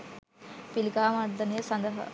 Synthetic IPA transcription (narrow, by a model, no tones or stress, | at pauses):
pilikaːmad̪ɐnijəsɐnd̪ɐɦɐ̰